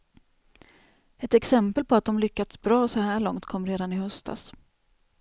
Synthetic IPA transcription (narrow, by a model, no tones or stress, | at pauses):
ɛt̪ɛksɛmpəlpʰɔat̪̚d̪ɔmlʏkːat̪sbɾɑːɔsɔhæːɭɔŋt̪kʰɔmːɾeːd̪anɪhœst̪ʰa̰s